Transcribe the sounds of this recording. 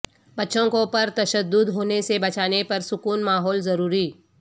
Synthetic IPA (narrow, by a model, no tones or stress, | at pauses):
bɐtːʃõkopɐɾt̪ɐʃəd̪ːʊd̪ɦoːnesebɐt͡ʃaːnepɐɾsʊkuːnmaːɦɔːlzɐɾuːɾiː